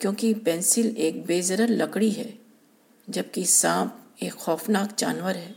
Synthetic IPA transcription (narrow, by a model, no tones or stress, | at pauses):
kjõːkipɛ̃ːnsɪleːk̚beːzəɾəɾlɐkɽiɦɛː | d͡ʒɐb̚kisãːpeːkxɔːfnaːkd͡ʒa̰ːnʋəɾɦɛː